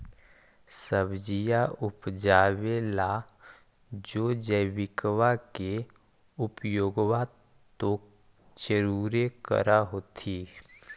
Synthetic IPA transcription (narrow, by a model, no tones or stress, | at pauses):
səbd͡ʒijaʊpd͡ʒaːwela | d͡ʒoːd͡ʒəjʋɪkwake | ʊpjoːɡwa | t̪o | t͡ʃəɾuːɾekə̰ɾaɦoːt̪ʰiː